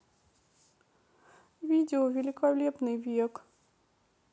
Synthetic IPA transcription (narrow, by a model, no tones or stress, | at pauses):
vʲidʲɪɔvʲɪlʲɪkalʲepnɨjvʲek